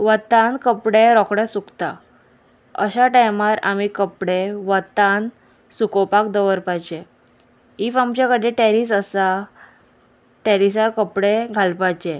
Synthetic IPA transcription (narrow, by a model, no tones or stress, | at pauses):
ʋət̪ãnkəpɽeɾɔkʰɽɛsukt̪a | ə̰ɕaʈajmaɾa̰mikəpɽeʋət̪an | sukɔpakd̪əʋəɾpajd͡ʑe | ifamt͡ɕakəɽeʈɛɾis̬əsa | ʈɛɾis̬aɾkəpɽeɡʱalpad͡ʑe